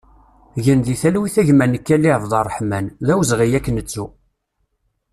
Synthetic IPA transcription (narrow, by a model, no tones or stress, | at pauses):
ʝənðiθælwiθæʝmænəkːælːiððˤɑrˤːħmænðæwzʁijækːnət͡sːu